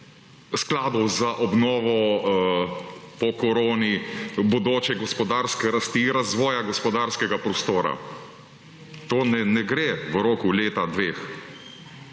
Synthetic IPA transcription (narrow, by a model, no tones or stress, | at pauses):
sklaːd̪ɔwzaʔɔbnɔːʋɔ | pɔkɔɾoːnibɔd̪oːt͡ʃɛɡɔspɔd̪aɾskɛɾast̪iɾazʋɔːjaɡɔspɔd̪aɾskɛɡapɾɔst̪oːɾa̰ | t̪oːnɛnɛɡɾeʋəɾoːkuleːt̪ad̪ʋeːx